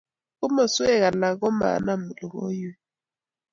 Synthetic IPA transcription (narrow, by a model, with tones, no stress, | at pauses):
u˦ma˨su˦ɛ˦˨ka˨la˨k̬ɔ˦ma̰˨na˦˨mu˨lɔ˨ko˦jɛ˦